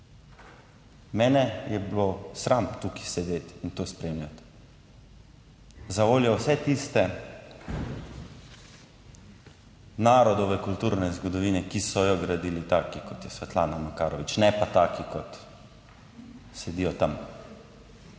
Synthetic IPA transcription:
mɛːnɛjɛblosɾamt̪uki̥sɛd̪eːt̪int̪ospɾeːmlʲjat̪ | zaʋoːljɔwsɛt̪ist̪ɛ | naːɾɔd̪ɔʋɛkult̪uːɾnɛzɡɔd̪ɔʋiːnɛkisɔjɔɡɾad̪iːlit̪aːkikɔt̪jɛsʋɛt̪laːnamakaːɾɔʋit͡ʃnɛpat̪aːkikɔt̪ | sɛd̪ijɔt̪am

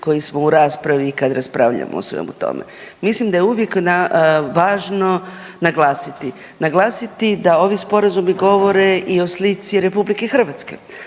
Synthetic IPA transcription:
ko̞jismo̞uɾaːspɾaʋikad̪ɾaspɾaːʋʎa̰mo̰o̰sʋḛmṵt̪o̞̰mḛ | mislimd̪ajeuʋjeknaʋaːʒno̞ | naɡlˠaːsit̪i | naɡlˠaːsit̪id̪ao̞ʋispo̞ɾazumiɡo̞ʋo̞ɾeʔio̞slit̪siɾe̞publike̞xr̩ʋat̪ske̞̰

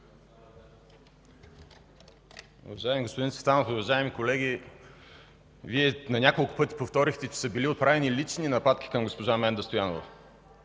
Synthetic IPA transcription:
ʊ̰vɐʒaɛmiɡospod̪insvɛt̪anofʊvɐʒaɛmikolɛɡ̟ʲi | viɛnɐnʲakolˠkʊ̥pɤt̪i̥poft̪ɔɾixt̪ɛt͡ʃɛ̥səbiliot̪̚pɾavɛnilit͡ʃninɐpat̪k̟i̥kɐmɡospoʒamɛnd̪ɐst̪ojanovɐ

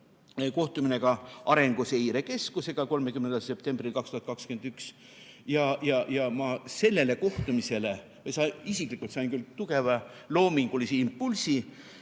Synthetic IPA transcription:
ko̞ht̪umine̞ɡ̥ɑɑɾe̞ŋɡ̥use̞jɾe̞ke̞skuse̞ɡ̥ɑko̞lme̞kymnend̪ɑlse̞p̚t̪e̞mb̥rilkɑkst̪uhɑt̪̚kɑkskyend̪yks | jɑjɑjɑmɑse̞lːe̞le̞ko̞ht̪umise̞le̞ | vɤjsɑjisiklikːˑult̪sɑjnkylt̪uɡ̥e̞vɑlo̞ːmiŋɡ̥ulisiimpːulsi

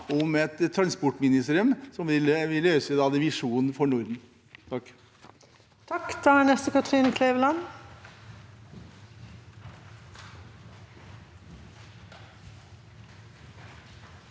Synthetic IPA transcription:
ʊmɛt̪t̪ʰːɾɑnspɔʈmɪnɪst̪eːɾɪʉmsɔmʋɪlʋɪløːsəd̪ɑd̪ɛʋɪʂuːnnfɔɳʊɾd̪n̩ | t̪ʰɑkː | t̪ʰɑkd̪̥əhænɛst̪əkʰɑt̪ʁiːnɪkʰleːʋəlɑn

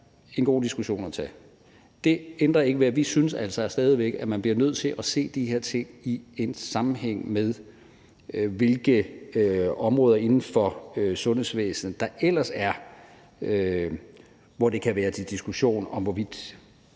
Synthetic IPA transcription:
e̝nɡ̥o̝̰ːd̥isɡ̥uɕo̝̰ːnɒt͡sʰɛ | d̥e̝end̥ʁɐe̝ɡ̥əʋeʋisynəsæl̰sɐsd̥ɛːð̞ˠiʋeɡ̥əæmænb̥liɐnøð̞̰ˠt͡sʰe̝lʔæse̝̰ːd̥ihe̝ɐt͡sʰe̝ŋ̰ie̝nsɑ̈mm̩ɦeŋ̰meðˠ | ʋe̝lɡ̥ə | ɒ̽mʁɔ̽ːðˠɐe̝nn̩fɒ̽øsɔ̽nhe̝sʋḛːsn̩d̥ɑ̈ʔel̰ɐsæɐ | ø | ʋɒd̥e̝kʰæʋæːɐd̥id̥isɡ̥uɕo̝̰ːnɒ̽mʋɒʋid̥

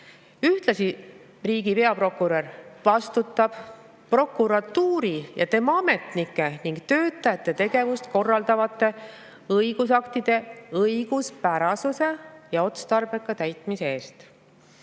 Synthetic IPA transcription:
yht̪lɑsi | riːɡ̥ipe̞ɑpro̞kːˑuɾervɑst̪ut̪ːˑɑb̥ | pro̞kːˑuɾɑt̪ːuːɾijɑ̰t̪e̞mɑɑme̞t̪nikːˑe̞niŋɡ̥̚t̪ø̞ːt̪ˑːɑjɑt̪ˑːe̞t̪e̞ɡe̞vust̪ko̞rːɑld̪ɑvɑt̪ːˑe̞ | ɤjɡ̥us̬ɑkt̪id̪̥e̞ɤjɡ̥uspæɾɑsuse̞jɑo̞t̪st̪ɑrb̥e̞kːɑt̪æjt̪ˑmise̞eːst̪

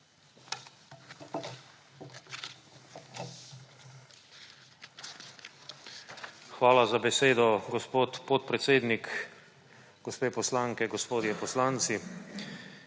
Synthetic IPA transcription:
xʋaːlazabɛseːd̪ɔɡɔspoːt̪pɔt̪̚pɾɛt̪seːd̪nik | ɡ̥ɔspeːpɔslaŋkɛɡɔspoːd̪jɛpɔslaːnt̪si

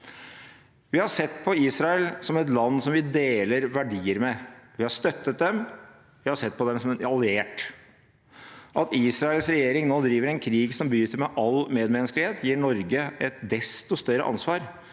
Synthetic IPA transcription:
ʋɪhɑʂɛt̪ːpʰɔiːsɾɑɛlsɔmɛt̪lɑnːsɔmʋɪd̪eːləɾʋæɖiːəɾmɛʋɪhɑʂt̪œt̪ːət̪̚d̪ɛm | ʋɪhɑsɛt̪̚ːpɔd̪ɛmsɔmɛɑlɪeːʈ | ʔɑt̪iːsɾɑɛlsɾɛjeːɾɪŋnoːd̪ɾiːʋəɾɛnkʰɾiːɡsɔmbəjyːt̪əɾmɛʔɑlmeːd̪mɛnsklɪheːt̪jiːɳɔɾɡəɛt̪̚d̪ɛst̪ɔst̪œɾːə̰ʔɑ̰nsʋɑːɾ

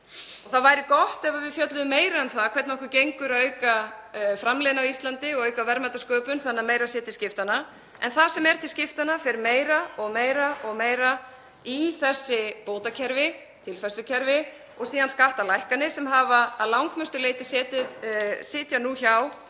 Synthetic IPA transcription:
ɔɣθaðvaːjɾɪkɔht̪ɛvavɪðfjœt̪lʏðʏmeːjɾaɛnθaðkʰvɛɾt̪naɔhkʏɾcejŋkʏɾœːɥkafɾamleːðɪnawist̪lant̪ɪɔɣœːɥkavɛɾmat̪askœːpʏnθanameːjɾasɛːt̪ɪscɪft̪ana | ɛ̰nθasɛmɛɾ̥t̪ʰɪlscɪft̪anafɪɾmeːjɾaɔɣmeːjɾaɔɣmeːjɾa | iθɛsːɪpoːwt̪acʰɛɾvɪ | t̪ʰɪlfɛslʏcʰɛɾvɪ | ɔɣsiːðanskaht̪alajhkanɪsɛmɦaːvaa̰ðlawŋkmœst̪ʏleːjt̪ɪsɛːt̪ɪðsɪːt̪januçaw

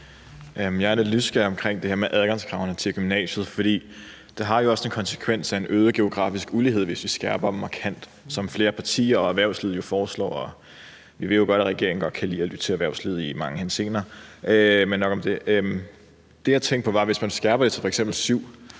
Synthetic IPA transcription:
jɑæɐnelysɡ̥ɛɒ̽mkʰʁeŋ̰d̥e̝heɐmeʔæðˠɡ̥ɑ̈ŋskʰʁɑ̈ʊnət͡sʰe̝ɡ̥ymnɛ̰ːɕð̞̩ˠfɒd̥ḭː | d̥eɦɑ̈jo̝ɒ̽se̝nkʰɒ̽nsə̥kʰʋen̰sæe̝nʔøːðˠəɡ̥e̝o̝ɡ̥ʁɑ̈ːfisɡ̥ulie̝ð̰ˠʋe̝sʋisɡ̥æɐb̥ɐmɑ̈kʰæn̰d̥ | sɒ̽mfle̝ːɐpʰɑ̈t͡sʰḭːɐɒ̽æʋæɐ̰ʊslið̞ˠjo̝fɒːslɒ̰ːɒ̽ | ʋiʋe̝ð̰ˠjoɡ̥ɒ̽ɾ̥æʁɛɡ̥e̝ɐ̰ŋ̩ɡ̥ɒ̽d̥̚kʰælḭːɒlyd̥ə̥t͡sʰe̝æʋæɐ̰ʊslið̞ˠimɑ̈ŋəhense̝̰ːnɐːʔømenːɒ̽ɡ̥ɒ̽md̥e̝ʔøm | d̥e̝jɑ̈ɪt͡sʰeŋ̰ɡ̥̚pʰɒʋɑ̈ʋe̝smænsɡ̥æɐb̥ɐde̝e̥fɒ̽eɡsemb̥l̩syʊ̰

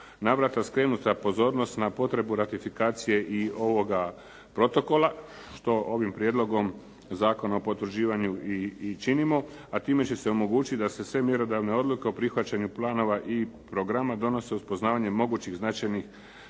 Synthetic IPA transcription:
naʋɾat̪askɾe̞ːnut̪apo̞zo̞ːɾno̞st̪napo̞t̪ɾe̞buɾat̪ifikaːt̪sije̞ʔio̞ʋo̞ɡa | pɾo̞t̪o̞ko̞la | ʃt̪o̞ʔo̞ʋimpɾjed̪lo̞ɡo̞m | zaːko̞naopo̞t̪ɾd͡ʑiːʋaɲuiit͡ʃinimo̞ | at̪iːme̞t͡ɕe̞se̞o̞mo̞ɡuːt͡ʃit̪ʲd̪ase̞sʋe̞mje̞ɾo̞d̪aʋne̞o̞d̪lˠuke̞o̞pɾixʋat͡ɕaɲuplˠaːno̞ʋaʔipɾoɡɾamad̪o̞no̞se̞uspo̞znaːʋaɲe̞mo̞ɡuːt͡ɕiɣznat͡ʃajnix

